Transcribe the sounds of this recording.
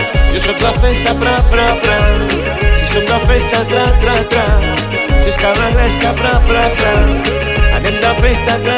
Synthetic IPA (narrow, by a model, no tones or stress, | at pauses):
sosok̚d̪afɛst̪apɾapɾapɾa | sesok̪d̪afest̪at̪ɾat̪ɾat̪ɾa | sest̪aβaɣɾɛskapɾapɾapɾa | a̰nẽnd̪afest̪at̪a